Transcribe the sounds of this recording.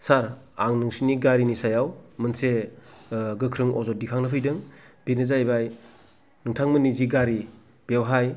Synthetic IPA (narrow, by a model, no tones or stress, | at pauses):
saɾ | aŋnɯŋsiniɡaɾinisajawmɯnse | ɡɯkʰɾɯŋʔɔzɔdikʰaŋnapʰɯjdɯŋb̥enɯzajbaj | nɯŋtʰaŋmɯniziɡaɾi | b̥ewɦaj